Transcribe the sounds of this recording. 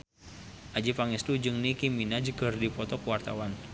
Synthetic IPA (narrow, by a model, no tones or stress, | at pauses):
ʔad͡ʒipaŋist̪ud͡ʒɨŋnikiminad͡ʒəɡərdipɔt̪ɔkəwart̪awan